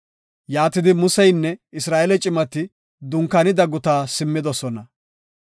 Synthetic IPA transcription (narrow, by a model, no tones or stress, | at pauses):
jaːt̪ɪd̪ɪmʊsɛjnːɛɪsɾaːʔɛlɛt͡ʃʼɪmɐt̪ɪ | d̪ʊŋkːɐnɪd̪ɐɡʊt̪aːsɪmːɪd̪ɔsɔnɐ